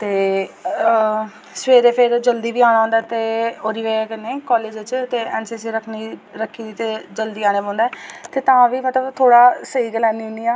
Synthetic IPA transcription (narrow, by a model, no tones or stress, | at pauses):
t̪eː | sʋeːɾeːpʰɪɾd͡ʒəld̪iːʋiːaːɽ̃aːɦõːd̪aːt̪eːoːɾiːʋeːkɪneːkɔːleːd͡ʒt͡ʃt̪eːɛːnseːsiːɾəkʰniɾəkʰːiːd̪iːt̪eːd͡ʒəld̪iːaːneːbõːnd̪aɛːt̪eːt̪ãːʋiːmət̪ləbt̪ʰoːɽaːsəiːɡəlɛːniːɦʊ̃nd̪iːaː